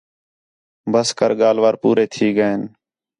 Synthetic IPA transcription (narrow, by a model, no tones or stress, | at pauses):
bʱəskəɾɠaːlʋaːɾpuːɾeːt̪ʰiːɡəeːn